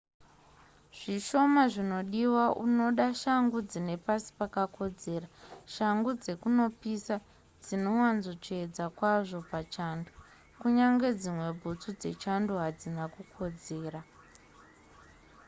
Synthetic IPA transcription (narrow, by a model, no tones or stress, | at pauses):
ʐ̥iʃo̞maʐino̞ɗiwaʔuno̞ɗaʃaŋɡud͡zine̞pasi̥pakako̞d͡ze̞ːɾaʃaŋɡud͡ze̞kuno̞pisa | d͡zino̞wanzot͡ʂed͡zakwaʐo̞pat͡ʃandu | kuɲaŋɡe̞d͡zimwe̞bʱut͡sud͡ze̞̰t͡ʃanduɦad͡zinakukʰo̞d͡ze̞ːra